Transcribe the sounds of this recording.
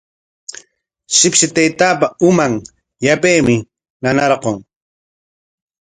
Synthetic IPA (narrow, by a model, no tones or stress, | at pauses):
ʃɪpʃɪt̪ejt̪aːpaʊmaŋ | japejmɪ | nanɑɾqoŋ